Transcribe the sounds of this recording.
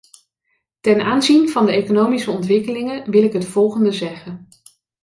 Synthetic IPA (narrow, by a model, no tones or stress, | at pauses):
tɛnaːnzinvɑndəejkonowmisəɔntʋɪkəlɪŋənʋɪlɪkɦətfɔlˠχəndəzɛχən